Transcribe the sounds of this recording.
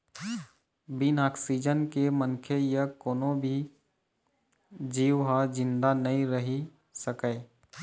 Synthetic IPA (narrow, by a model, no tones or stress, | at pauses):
binaːksid͡ʒənkemənkʰejəkoːnõbʱi | d͡ʒiːwɦad͡ʒɪ̃nd̪anɐɦĩɾəɦi | səkeː